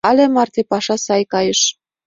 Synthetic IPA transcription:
ɑlʲemɑrt̪epɑʃɑsɑjkɑjə̆ʃ

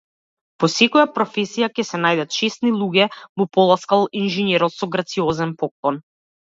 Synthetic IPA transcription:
pɔsɛkɔjapɾɔfɛsijacʲɛsɛnajd̪at̪ʃɛst̪nilˠuɡʲɛmupɔlˠaskalˠinʒɛnɛɾɔt̪sɔɡɾat̪siɔzɛnpɔk̚lˠɔn

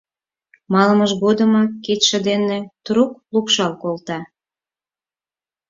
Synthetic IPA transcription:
mɑlməʃɣod̪əmɑkːit̪ʃə̆d̪enet̪ɾuk̚lupʃɑlkolt̪ɑ

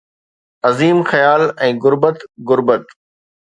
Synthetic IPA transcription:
ɐziːmxɐjaːlɛ̃ːɣʊɾbət̪ɣʊɾbət̪

